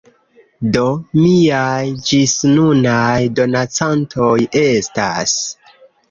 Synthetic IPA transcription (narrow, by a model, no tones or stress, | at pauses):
do̞miajd͡ʒisnunajdo̞nat͡santʰo̞je̞sta̰s